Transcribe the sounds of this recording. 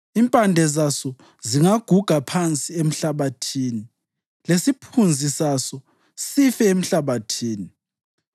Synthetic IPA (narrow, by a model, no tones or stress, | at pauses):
impʼandʱɛzasɔ | ziŋaɡ̥ʱuɡ̥ʱapʰant͡sʼiem̩ɬaβatʰiːni | lesipʰund͡zʱisasɔ | sifɛem̩ɬaβatʰiːni